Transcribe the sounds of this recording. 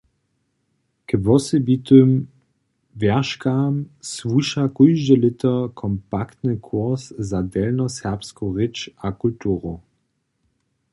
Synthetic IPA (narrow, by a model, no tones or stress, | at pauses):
kəvɔsɛbitøm | vɛɐʃkamsvuʃakujʒdəlɪtɐkʰɔmpakt̪nəkʰuɐszadɛlnɔsɛʁpskoʁɪt͡ʃakultuːʁo